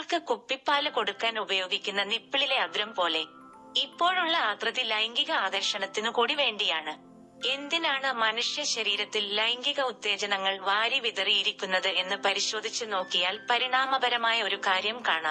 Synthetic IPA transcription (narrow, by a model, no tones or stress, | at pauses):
ɭkɨkupːipːaːlɨko̞ɽukːaːnubɐjoːɡikʲːunːɐnipːiɭile̞ɐd̪ɾɐmpo̞ːle̞ | ipːo̞ːɭuɭːɐaːt̪rɐðilɐjŋɡiɣɐaːðɐɾʂɐɳɐt̪ːinɨkuːɽiʋe̞ːɳɖijaːɳɨ | e̞nd̪inaːɳɨmɐnuʂjɐɕɐɾiːɾɐt̪ːilːɐjŋɡiɣɐut̪ːe̞ːd͡ʑɐnɐŋːɐɭʋaːɾiʋiðɐriiɾikʲːunːɐðɨe̞nːɨpɐɾiɕo̞ːd̪ʱit͡ɕːɨno̞ːkːijaːlpɐɾiɳaːmɐbɐɾɐmaːjɐo̞ɾukaːɾjɐmkaːɳa̰ːm